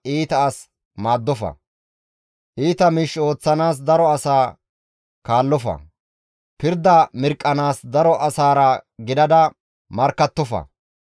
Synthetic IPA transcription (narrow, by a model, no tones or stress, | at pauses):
ʔiːt̪ɐːs | maːd̪ːɔfɐ̰ | ʔiːt̪ɐmiːʃo̞ːt͡sːɐnaːs̬d̪ɐɾɔɐsaː | kaːlːɔfɐ̰ | pɪɾd̪ɐmɪɾkʼːɐnaːsd̪ɐɾɔʔɐsaːɾɐɡɪd̪ɐd̪ɐ | mɐɾkːɐt̪ːɔfɐ̰